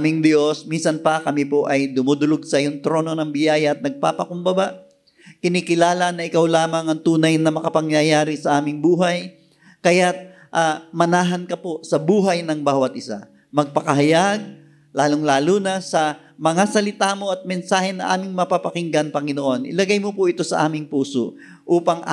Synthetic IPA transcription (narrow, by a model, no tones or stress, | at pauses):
mɪŋd̪jo̞sminsɐnpɐkɐmipoʔɐjd̪ʊmud̪ʊloɡ̚sɐjoŋt̪ɾo̞ːno̞nɐŋbɪjaːjɐʔɐt̪̚nɐɡ̚pa̰ːpɐkʊmbɐbaʔ | kɪnikɪlaːlɐnːɐʔɪkawlaːmɐŋɐŋt̪uːnɐjnɐmɐkɐpɐŋjɐjaːɾɪsɐʔaːmɪŋbuːɦɐj | kɐjat̪̚ | ʔamɐnaːɦɐnkɐposɐbuːɦɐjnɐŋbaːwɐt̪̚ʔɪsa̰ | mɐɡ̚pɐkɐɦɐjaɡ̚ | laːloŋlaːlunɐsɐ | mɐŋasɐlɪt̪aːmo̞ʔɐt̪̚mɛnsaːhɛnɐʔa̰ːmɪŋmɐpapɐkɪŋɡɐnpɐŋɪnoʔo̞nʔɪ̰lɐɡajmopʊʔɪt̪o̞sɐ̰ʔa̰ːmɪŋpuːso̰ | ʔuːpɐŋ